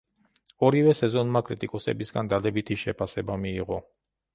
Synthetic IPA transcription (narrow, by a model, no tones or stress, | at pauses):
ɔɾivɛsɛzɔnmakʼɾit̪ʼikʼɔsɛ̰bisɡand̪ad̪ɛbit̪ʰiʃɛpʰasɛbamiːʁɔ